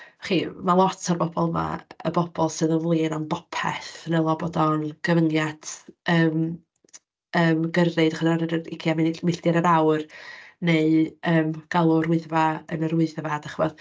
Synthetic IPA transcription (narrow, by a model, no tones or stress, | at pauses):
χimalˠɔtʰarbɔbɔlˠma̰ə̰bɔb̥ɔlˠsɨːðənvlˠiːnɔnbɔpʰɛ̰θnɛlˠɔbɔdɔnɡ̥əvəŋjad̥əːm | əːmɡərɨdaχəðaɾəəɪkʰjamɪnmɪɬd̥jaɾəɾawrneɨəːmɡ̥alˠuɾʊɨðvaənəɾʊɨðvadaχəvɔð